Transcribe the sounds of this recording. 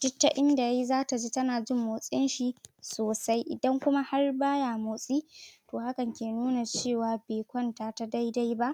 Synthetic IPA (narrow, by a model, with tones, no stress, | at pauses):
d͡ʒ̥ɪ˦tːa˦ʔɪ˦nda˨ja˦i˦zaː˦ta˨d͡ʒi˦tɐ˦naː˨d͡ʒɪ˦˨mːoː˨sʼɪ˦nʃi˨soː˨sa˦jʔɪ̰˨dɐ˦ŋkʷʊ˦ma˦ha˦rbaː˦jaː˨moː˨sʼiː˦toː˨ha˦kɐ˨ŋkʲeː˨nuː˦na˨t͡ʃeː˦˨waː˨beː˨kʷɐ˦ntaː˨ta˦da˦jda˦jba˦ʔ